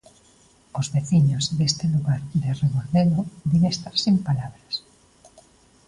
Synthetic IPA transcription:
ozβeθiɲozðest̪ɪluɣaɾd̪ereβoɾðelobiŋest̪aɾsimpalaβɾas

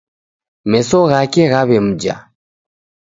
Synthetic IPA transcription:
mɛsɔɣakɛɣaβɛm̩d͡ʒa̰

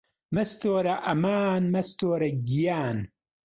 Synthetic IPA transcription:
mɐst̪oːɾɐʔɐmaːnmɐst̪oːɾɐɡijaːn

